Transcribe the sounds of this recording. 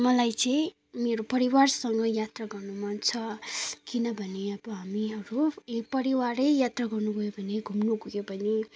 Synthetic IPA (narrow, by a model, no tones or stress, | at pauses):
mʌlajt͡sʌ̃ĩ | meɾopʌɾiwarsʌŋɡʌjat̪rʌɡʌrnumʌnt͡sʰʌkinʌbʱʌneʌbʌɦamiʌɾupʌɾiwaɾʌjjat̪rʌɡʌrnuɡʌjobʱʌneɡʱumnoɡujobʱʌni